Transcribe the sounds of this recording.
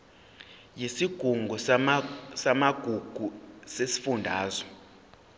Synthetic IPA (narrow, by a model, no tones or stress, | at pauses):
jisiɡ̥ʱuŋɡʱɔ | samaɡ̥ʱuɡ̥ʱusesi̥fundʱa̰ːzɔ